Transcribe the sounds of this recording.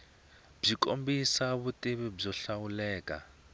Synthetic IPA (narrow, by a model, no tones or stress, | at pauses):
b͡ʐiko̰mbisaβutiβib͡ʐɔɬawulɛːka̰